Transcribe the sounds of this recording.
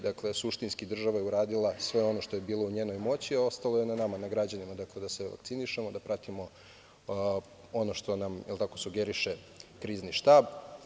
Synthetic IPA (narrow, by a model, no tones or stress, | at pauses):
d̪akle̞suʃt̪inskid̪r̩ʒaʋajeuɾaːd̪ilˠasʋe̞o̞no̞ʃt̪o̞je̞biːlˠo̞uɲe̞ːno̞jmo̞t͡ɕiao̞st̪alo̞je̞nanamanaɡɾad͡ʑanimad̪akle̞d̪aseʋa̰ktsiniʃe̞mo̞d̪apɾat̪imo̞ | o̞no̞ʃt̪o̞namjɛ̰lˠt̪ako̞suɡe̞ɾiʃe̞ | kɾiːzniʃt̪aːb